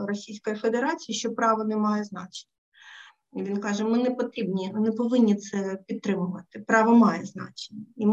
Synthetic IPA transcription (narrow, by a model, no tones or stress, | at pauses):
rɔsʲijsʲkɔjifed̪eɾɑt͡sʲijiʃt͡ʃɔpɾɑʋɔnɛmɑjɛznɑt͡ʃe̥nʲɐ | iʋʲinkɑʒɛmɪnɛpɔt̪ɾʲibnʲinɛpɔʋɪnʲːit̪sɛpʲidt̪̚t̪ɾɪmʊʋɐt̪ɪpɾɑʋɔmɑjɛznɑ̰t͡ʃe̥nʲːɐim